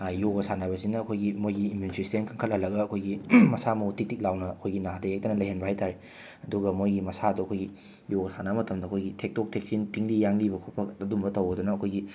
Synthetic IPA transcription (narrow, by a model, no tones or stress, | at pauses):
joɡɐsanabɐsinɐːkʰojɡimojɡiːmunisɾisitenkʰaŋkʰɐt̚hɐlɐɡɐɐkʰojɡimɐsamutik̚tik̚lawnɐːkʰojɡinadɐek̚tɐnɐlɐjɦenbʱaajtʰaɾe | ɐduɡɐmojɡimɐsaduɐkʰojɡi | joɡɐsanamɐtɐmdɐkʰojɡitʰek̚tok̚tʰek̚sintiŋlijaŋlibɐkʰopʰɐkɐdumbɐtɐwɡɐdunɐːkʰojɡi